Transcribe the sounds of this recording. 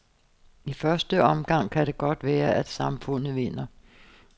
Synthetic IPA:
ifɶɐsd̥əʔɒ̽mɡ̥ɑ̈ŋ̰kʰæɾ̥e̝ɡ̥ɒ̽d̥ʋæːɐʔæd̥sɑ̈mfɔ̽n̰ð̩ˠʋe̝n̰ɐ

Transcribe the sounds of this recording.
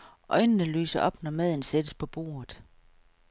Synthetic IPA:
ʔɒ̽ɪnənəly̰ːsɐʔɒ̽b̥nɒmæð̞ˠn̩sed̥əspʰɒ̽b̥o̝̰ːɐð̩ˠ

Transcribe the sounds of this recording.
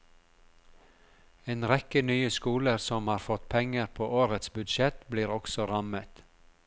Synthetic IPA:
eːnɾɛkənyːəskuːləɾsɔmhɑːɾfɔt̪pʰɛŋəɾpʰoːʔoːɾət̪sbʉd̪ʃɛt̪bliːɾɔksɔɾɑmət̪

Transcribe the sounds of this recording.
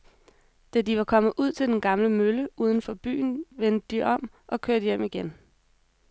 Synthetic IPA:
d̥æd̥iʋɑ̈kʰɒ̽mð̩ˠʔuð̞̰ˠt͡sʰe̝ld̥enɡ̥ɑ̈mləmøləuːð̞ˠən̩fɒ̽b̥y̰ːn̩ʋend̥əd̥iʔɒ̽m̰ | ʔɒ̽kʰøɐd̥əjem̰iɡ̥en

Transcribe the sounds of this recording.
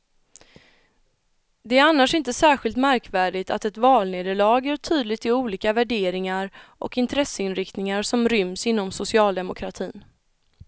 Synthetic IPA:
d̪ɛæɾanːaʂɪnt̪əsæːɧɪlt̪mæɾkvæːɖɪt̪ʰa̰t̪ɛt̪vɑːlneːd̪əɭɑːɡæʈʰyːd̪lɪɡt̪ɪuːliːkavæɖeːɾɪŋaɾʔɔ̰kɪnt̪ʰɾɛsəɪnɾɪkt̪nɪŋaɾʂɔmɾʏmsɪnːɔmsʊsɪɑːld̪ɛmʊkʰɾat̪ʰiːn

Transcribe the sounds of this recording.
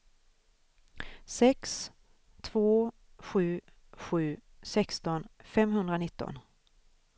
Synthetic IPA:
sɛks | t̪ʰv̥oː | ɧʉ̟ː | ɧʉ̟ːsɛkst̪ɔnfɛmhɵnd̪ɾanɪt̪ːɔ̰n

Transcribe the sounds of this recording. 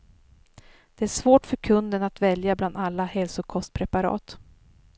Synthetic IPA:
d̪̥ɛæʂvoːʈfœɾkʰɵnd̪ənat̪vɛljabland̪alːahɛlsʊkʰɔst̪̚pʰɾɛpaɾɑ̰ːt̪

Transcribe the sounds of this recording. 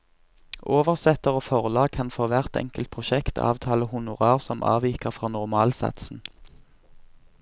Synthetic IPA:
ʔoːʋəʁsɛt̪əʁoːfɔʁlɑːɡ̚kʰɑnfoːʋæʁt̪ɛ̰ŋkəlt̪̚pʰʁʊʃɛkt̪ʰɑ̰ːʋt̪ʰɑːləhʊnʊʁɑːʁsɔmʔɑ̰ːʋiːkəʁfʁɑːnʊʁmɑːlsɑ̰t̪sn̩

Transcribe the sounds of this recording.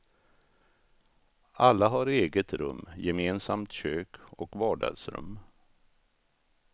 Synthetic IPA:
ʔalːaɦaɾeːɡət̪ɾɵ̰mːjɛmeːnsamt̪ɕøːkʰɔkvɑːɖɑ̰d̪sɾɵ̰mː

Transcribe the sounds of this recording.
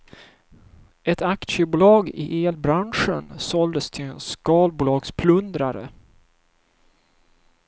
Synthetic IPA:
ɛt̪ak̪ʂəbuːlɑːɡɪ̰ʔeːlbɾanʂənsɔld̪əst̪ʰɪlɛnskɑːlbuːlɑːɡspʰlɵnd̪ɾaɾə̰

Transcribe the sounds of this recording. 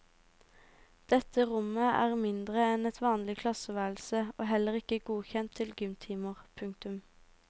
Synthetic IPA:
d̪̥ɛt̪əʁʊməʔæ̰ːʁmɪnd̪ʁəɛnɛt̪ʰʋɑːnlɪkʰlɑsəʋæːl̩səoːɦɛləʁɪkəɡuːçɛnt̪ʰɪlɡʏmt̪ʰiːməʁpʰʉŋk̚t̪ʉm

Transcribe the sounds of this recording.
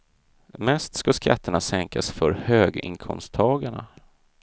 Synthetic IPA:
mɛst̪skaskʰa̰t̪ʰːəɳasɛŋkasfœɾhøːɡɪ̰ŋkʰɔ̰mst̪ʰːɑːɡaɳa̰

